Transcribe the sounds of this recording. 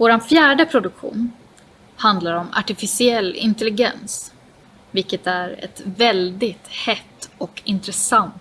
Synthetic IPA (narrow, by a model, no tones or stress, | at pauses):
voːɾanfjæːɖəpʰɾʊd̪ɵkɧṵːn | hand̪laɾɔma̰ʈɪfɪsɪɛlːɪ̰nt̪ɛlɪɡɛ̰ns | vɪlkət̪æɾɛ̰t̪vɛld̪ɪt̪hɛt̪ːɔkɪnt̪ɾɛsant̪